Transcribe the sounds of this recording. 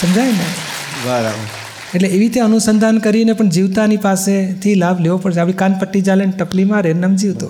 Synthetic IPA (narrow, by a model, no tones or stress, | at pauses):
səmd͡ʒajne | baɾa | eʈleeʋit̪ãənusənd̪ʱankəɾinepəɳd͡ʒiʋt̪anipaset̪ʰilabʱleʋopəɽʃʰeaʋĩkanpəʈːid͡ʒalenʈəplimãɾenəmd͡ʒiʋt̪o̰